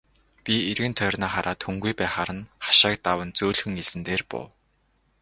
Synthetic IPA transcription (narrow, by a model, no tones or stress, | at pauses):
pʲierɣɘ̆nt̪ʰœrnaːχaɾʔaːt̪xuŋɡujpæːχaɾə̆nχḁʃaːk̚t̪awə̆nt͡suːɮxɘ̆ŋesɘ̆nt̪eːrpʊ̰w